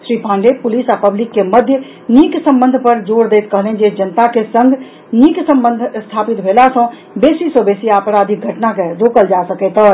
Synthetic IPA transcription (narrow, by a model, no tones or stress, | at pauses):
sɾipãɳɖepulisapəblikːeməd̪ʱjə | niksə̃mbənd̪ʱpəɾd͡ʒoɽd̪ejt̪kəɦlɛnd͡ʒed͡ʒənət̪akesəŋɡʱ | niksəmbənd̪ʱst̪ʰapit̪bʱelasə̃ | besisə̃besiapɾad̪ʱik̚ɡʱəʈnakeɾokəld͡ʒasəkɛt̪ɔɾ